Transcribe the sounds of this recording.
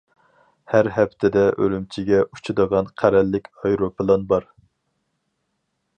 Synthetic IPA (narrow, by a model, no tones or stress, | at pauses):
hæɾɦɛpt̪ʰɪd̪ɛʔølymt͡ʃʰiɡʲɛʔu̥t͡ʃʰud̪əʁɑnqʰæɾɛlːɪkʲɑjɾopʰɨlˠɑnbɑɾ